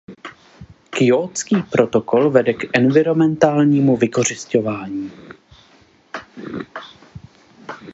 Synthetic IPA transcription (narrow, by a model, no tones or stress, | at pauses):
kjoːt͡skiːpɾo̞t̪o̞ko̞lvɛdɛkʔɛnvɪɾo̞mɛnt̪aːlɲiːmuvɪko̞r̝ɪsco̞vaːɲiː